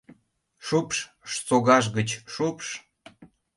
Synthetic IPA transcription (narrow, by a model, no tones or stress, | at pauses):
ʃupʃ | ʃt͡soɣɑʒ̬ɣət͡ɕʃupʃ